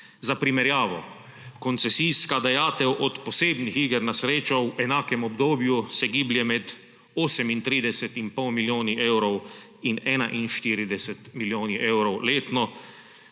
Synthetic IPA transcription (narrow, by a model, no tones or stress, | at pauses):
zapɾimɛɾjaːʋɔ̰ | kɔnt̪sɛsijskad̪ajaːt̪ɛwʔɔt̪pɔseːbnixiɡɛɾnasɾeːt͡ʃɔwɛnaːkɛmɔbd̪oːbjusɛɡiːbljɛmɛd̪ | oːsɛmint̪ɾiːd̪ɛsɛt̪inpɔwmiljoːniʔeːwɾɔw | inɛːnaʔinʃt̪iːɾid̪ɛsɛt̪miljoːniʔeːwɾɔwleːt̪nɔ